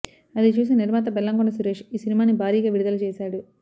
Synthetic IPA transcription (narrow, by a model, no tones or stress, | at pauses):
ɐðɯt͡ʃuːs̬inɛɾmaːt̪̬ːɐbɛlːaːŋɡoɳɐsʊɾeʃisɪnɪmaːnibaːɾiɣɐʋɪɽɯðɐlt͡ʃeːsaːɽɯ